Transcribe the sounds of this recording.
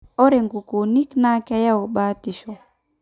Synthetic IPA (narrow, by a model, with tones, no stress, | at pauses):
ɔ˦ɾe˨ŋɡu˨ku˨ni˦kna˦kɛ˦ja˦u˨ɓaː˦ti˨ʃɔ